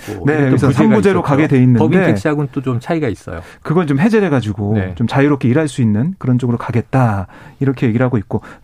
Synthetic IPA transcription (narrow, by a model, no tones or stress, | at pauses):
ne̞ɾsʌsʰabud͡ʑe̞ɾokaɡe̞dwe̞inːɯbide̞ekɕ͈iaɡont͈ot͡ɕomt͡ɕʰaiɡais͈ʌ̰jo̰ | kɯɡʌnt͡ɕomɦe̞d͡ʑeɾeɡad͡ʑiɡot͡ɕomt͡ɕajiɾop̚kʰe̞iɾaɭs͈uinːɯnkɯɾʌnt͡ɕ͈oɡɯɾokaɡe̞t̚t͈aiɾʌkʰeje̞ɡiɾɦaɡoit̚k͈o